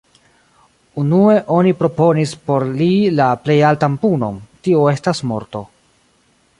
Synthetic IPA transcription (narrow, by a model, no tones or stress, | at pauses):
unue̞ʔo̞nipɾo̞po̞nispo̞ɾlilaple̞jaltampuno̞̰ntioe̞stasmo̞̰ɾto̞